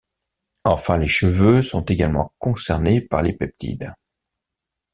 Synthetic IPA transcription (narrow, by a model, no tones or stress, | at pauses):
ɑ̃fɛ̃leʃəvøsɔ̃t̪eɡalmɑ̰̃kɔ̃sɛʁnepaʁlepɛp̚t̪ʰḭd̪